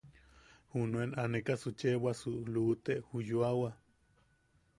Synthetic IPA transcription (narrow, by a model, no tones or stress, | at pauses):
hunuenanekasut͡ʃewasulut̪eʔhujuawa